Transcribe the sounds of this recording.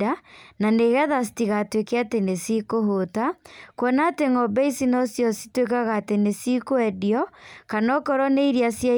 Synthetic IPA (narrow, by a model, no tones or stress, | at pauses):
ananeɣɛðas̬i̥tiɣatwekeatenesikoɦotakwɔnaːteŋɔbɛisinɔsjɔsi̥twekaɣatenesikoɛdiɔkanɔkɔɾɔneiɾiasja